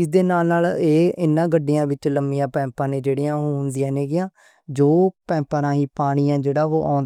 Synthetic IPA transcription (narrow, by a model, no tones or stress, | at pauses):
ɪzd̪eːnaːlnaːleːɪnːãːɡəɖɪjãːʋɪt͡ʃləmɪjãːpɛ̃ːmpãːnẽːd͡ʒeːɽɪːãːɦoːnd̪ɪjãːneːɡɪjãː | d͡ʒoːpɛ̃ːmpəɾãːɦiːpaːɽ̃iːãːd͡ʒeːɽaːɦo̰ːʔa̰ːʊnd̪